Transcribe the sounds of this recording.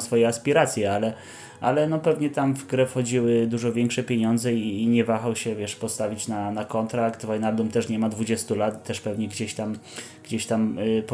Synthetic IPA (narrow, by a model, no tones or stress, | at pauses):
sfɔjɛaspʲiɾat̪sʲjɛalɛ | alɛnɔpɛvɲɛt̪amvɡɾɛfxɔd͡ʑiwɘd̪uʐɔvʲjɛŋkʂɛpʲjeɲɔnd̪zɛiiːɲɛvaxawɕɛvʲjɛʂpɔst̪avʲit͡ɕnanakɔnt̪ɾakt̪vajnald̪umt̪ɛʂɲɛmad̪vud͡ʑɛst̪ulat̪ːɛʂpɛvɲɛɡd͡ʑeɕt̪am | ɡ̥d͡ʑeɕt̪amp